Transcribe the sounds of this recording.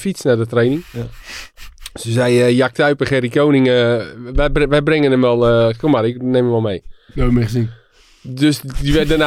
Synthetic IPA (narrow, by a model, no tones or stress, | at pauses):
fisnadətrejnɪŋ | səsɛjəjak̚taɥpəχɛɾikoːnɪŋə | ʋɛjbrɪŋənəmʋɔlˠəkomarɪkneməmʋɔlˠmejɛbəmɛχəzin | døsdiʋɛdəna